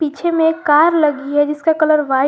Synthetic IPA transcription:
iːt͡ʃʰemẽkaːɾləɡiɦɛd͡ʒɪskakɐləɾʋa

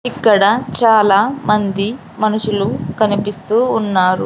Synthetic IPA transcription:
ikːɐɽɐt͡ʃaːlaːmɐnd̪i | mɐnuʂulukɐnipist̪uːnːaːɾu

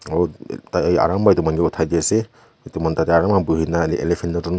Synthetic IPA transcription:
ɔtaa̰ɹambajtumanɡɛutʰajdiasɛ | tumantatɛaɹamabuɦinaḛlepʰendɔtɔn

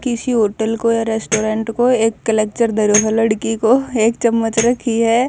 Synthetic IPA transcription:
kɪsiɦoːʈəlkojaɾeːsʈoːɾẽːɳʈkoeːkːɐleːk̚t͡ʃəɾd̪ʱɐɾoːɦəlɐɽkikoeːkt͡ʃɐmːət͡ʃɾɐkʰiɦɛː

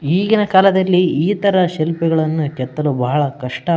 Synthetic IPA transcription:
iːɡinɐkaːlɐd̪ɐlːiiːt̪ɐɾɐʃɛlpɛɡɐɭɐnːukɛt̪ːɐlubɐːɐɭɐkɐʂʈɐ

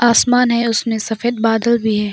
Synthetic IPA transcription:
aːsmaːnɦɛʊsmẽsɐfeːd̪̚baːd̪əlbʱiɦɛː

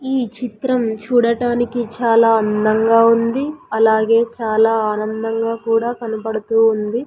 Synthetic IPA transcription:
iːt͡ʃit̪ɾɐmt͡ʃuːɽɐʈaːnikit͡ʃaːlaːɐnd̪ɐŋɡaːund̪iɐlaːɡe̞ːt͡ʃaːlaːaːnɐnd̪ɐŋɡaːkuːɽaːkɐnɐpɐɽɐt̪uːnd̪i

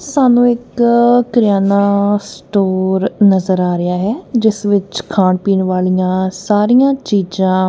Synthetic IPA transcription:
saːnũːɪkː | ɾɪjaːnaːsʈoːɾnəzəɾaːɾɪaːɦɛːd͡ʒɪsʋɪt͡ʃkʰãːɳpiːɳʋaːlijãːsaːɾijãːt͡ʃiːd͡ʒãː

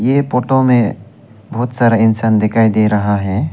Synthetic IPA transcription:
jepoːʈomẽ | bɔːt̪saːɾaɪnsaːnd̪ɪkʰaːid̪eɾɐɦaɦɛː

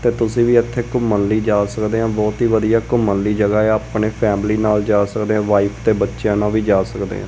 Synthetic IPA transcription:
t̪eːt̪ʊsĩːʋiːɪt̪ʰːeːkʊmənliːd͡ʒaːsəkd̪eːɦãːbɔːt̪ɦiːʋəd̪ijaːkʊmənliːd͡ʒəɡaːeaːpɳeːpʰɛːmliːnaːld͡ʒaːsəkd̪eːãːʋaːiːpʰt̪eːbətːʃjãːnãːʋiːd͡ʒaːsəkd̪ḛːɦã̰ː

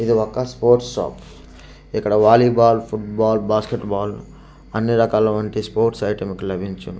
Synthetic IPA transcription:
id̪iɔkːɐspoːɾʈsʃa̰ːp | ikːɐɽɐʋaːlibaːlpʰuʈbaːlbaːskeʈbaːl | ɐnːiɾɐkaːlɐʋɐɳʈispoːɾʈsɐjʈɐmkilɐbʱiɲt͡ʃun

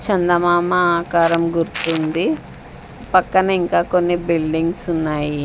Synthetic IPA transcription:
t͡ʃɐnd̪ɐmaːmɐaːkaːɾɐmɡuɾut̪und̪i | pɐkːɐnɐiŋkaːko̞nːibilɖiŋɡsunːaːji

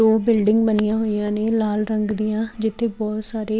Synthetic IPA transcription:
oːbɪlɖɪ̃ŋɡbənɪjãːɦoːijãːneːlaːlɾəŋɡd̪ijãːd͡ʒɪt̪ʰːeːbɔːt̪saːɾeː

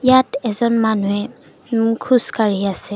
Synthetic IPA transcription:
jatɛzɔnmanuɛ | kʰuskaɹiasɛ

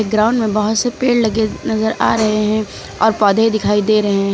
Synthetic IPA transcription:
eɡɾãːʊ̃ɳɖmẽbɐɦʊt̪sepeːɽlɐɡenɐzəɾa̰ːɾɐɦeɦɛ̃ | ɔ̰ːɾpɔːd̪ʱed̪ɪkʰaːid̪eːɾɐɦeɦ

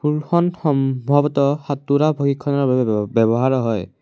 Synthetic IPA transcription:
pulxɔnxɔmbʱɔbɔtɔhatuɾabʱoɡikʰːɔnɔɹbabɛbɔɦaɹɔɦɔj

